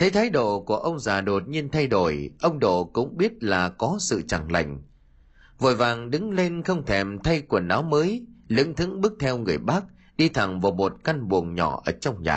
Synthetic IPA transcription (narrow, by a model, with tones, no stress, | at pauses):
t̪ʰe˨˦t̪ʰaː˨˦jɗo̰˧˨ku˧˩əʔə˧wŋ͡mzaː˨˩ɗo˨˩t̚ɲi˧ənt̪ʰa˧jɗo˧˩jʔə˧wŋ͡mɗo̰˧˨kʊ̰˧˥ŋ͡mɓi˦˥ət̚laː˨˩kɔ˨˦sɨ̰˧˨t͡ɕa˨˩ŋla̰˧˨jŋ̟ | vo˨˩jvaː˨˩ŋɗɨ˨˦ŋle˧nxə˧wŋ͡mt̪ʰɛ˨˩mt̪ʰa˧jku˨˩ənːaː˨˦wməː˨˦jlɨ̰˧˥ŋt̪ʰɨ̰˧˥ŋɓɨ˦˥ək̚t̪ʰɛ˧wŋɨ˨˩əjɓa˦˥k̚ | ɗi˧t̪ʰa˨˩ŋvaː˨˩mo˨˩t̚ka˧nɓu˨˩əŋɲɔ˧˩ʔəː˧˩t͡ɕɔ˧wŋ͡mɲa̰ː˨˩